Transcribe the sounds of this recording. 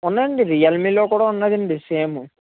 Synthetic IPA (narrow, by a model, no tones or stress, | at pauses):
unːɐd̪iɳɖiɾijɐlmiloːkuːɽaunːɐd̪iɳɖiseːmu